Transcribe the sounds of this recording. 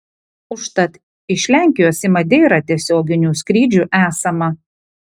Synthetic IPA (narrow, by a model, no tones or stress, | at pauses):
ʊʃt̪ɐt̪ | ɪʃʲlʲæˑŋʲkʲɪjoːsʲɪmɐd̪ʲeːɾɐt̪ʲiɛsʲoːɡʲɪnʲuːsʲkɾʲiːd͡ʒʲuːʔæːsɐmɐ